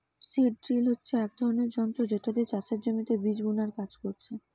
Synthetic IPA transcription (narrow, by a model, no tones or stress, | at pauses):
siʈ̚ʈɾilɦotːɕʰeɛk̚d̪ʱɔɾoneɾd͡ʑɔnt̪ɾod͡ʑeʈad̪et͡ɕat͡ɕaɾd͡ʑomit̪ebid͡ʑbunaɾkad͡ʑkoɾt͡ɕʰe